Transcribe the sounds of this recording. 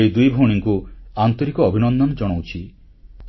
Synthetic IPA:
ejd̪ujbʱoɽ̃iŋkuant̪ɔɾikɔːbʱinɔnd̪ɔnd͡ʒɔɽ̃owt͡ʃʰi

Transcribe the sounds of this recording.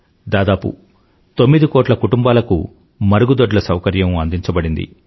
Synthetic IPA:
d̪aːd̪aːpṵ | t̪o̞mːid̪ikɔːʈlɐkuʈumbaːlɐkṵ | mɐɾuɡud̪oɖlɐsɐwkɐɾjɐmɐnd̪iɲt͡ʃɐbɐɽind̪ḭ

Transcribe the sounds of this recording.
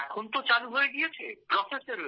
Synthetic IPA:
ɛkʰont̪ot͡ɕaluɦoeɡijet͡ɕʰḛpɾɔseseɾo

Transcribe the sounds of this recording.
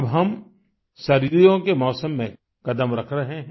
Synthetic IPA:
bɦɐm | ʃɐɾiːɾijõkemɔːsəmːẽ | kɐd̪əmɾɐkʰɾɐɦẽɦ

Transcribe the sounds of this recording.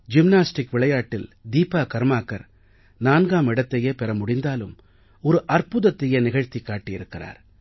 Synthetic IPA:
d͡ʒɪmnaːsʈɪkʋɪɭɐjaːʈːɪld̪iːpːaːkɐɾmaːkːɐ̰ɾ | naːnɡaːmɪɽɐt̪ːɐjeːpɛɾɐmʊɽɪnd̪aːlɯm | ɔɾɯʔɐɾpʊðɐt̪ːɪjenɪɣɐɻt̪ikːaːʈːɪjɪɾɯkːɪra̰ːɾ

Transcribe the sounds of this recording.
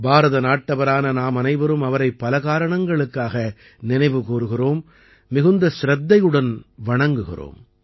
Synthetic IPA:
baːɾɐðɐnaːʈːɐʋɐɾaːnɐnaːmɐnɐɪʋɐɾɯmɐʋɐɾɐɪpːɐlɐɣaːɾɐɳɐŋɡɐɭɯkːaːɣɐ | nɪnɐɪʋɯkuːɾɯɣɪroːmː | ɪɣɯnd̪ɐsɪɾɐd̪ːɐjɯɽɐnʋɐɳɐŋɡɯɣɪ̰ro̰ːm

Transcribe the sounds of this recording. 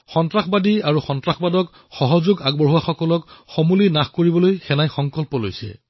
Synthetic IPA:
xɔntɹaxbadiaɹuxɔntɹaxbadɔk | xɔɦɔzoɡaɡ̚bɔɹɦuwaxɔkɔlɔkxomulinaxkoɹibɔlojxɛnajxɔŋkɔlpɔlojsɛ̰

